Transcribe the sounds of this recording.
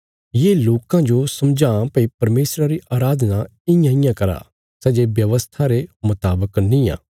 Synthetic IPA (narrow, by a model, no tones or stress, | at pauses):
jeːloːkãd͡ʒosɐmd͡ʒãːpɐipɐɾmeːsɾaɾiʔaːɾaːd̪ʱnaɪjãɪjãkɐɾa̰ː | sɛːd͡ʒeʋjɐʋəst̪ʰaɾemʊt̪aːbəknĩjã̰ː